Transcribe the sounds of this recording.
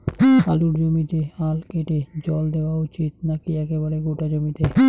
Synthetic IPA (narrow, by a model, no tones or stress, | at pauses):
a̰luɾd͡ʑomit̪ealkeʈed͡ʑɔld̪eoaut͡ɕit̪̚nakiɛkeβaɾeɡoʈad͡ʑomit̪e